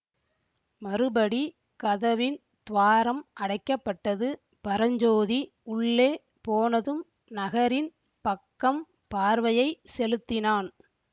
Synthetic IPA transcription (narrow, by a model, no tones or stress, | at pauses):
mɐɾɯbɐɽi | kɐðɐʋɪn | t̪ʊʋaːɾɐmʔɐɽɐɪkːɐpːɐʈːɐðɯ | pɐɾɐɲd͡ʒoːði | ʊɭːeː | poːnɐðɯm | nɐɣɐɾɪn | pɐkːɐm | paːɾʋɐjɐɪsɛlɯt̪ːɪnaːn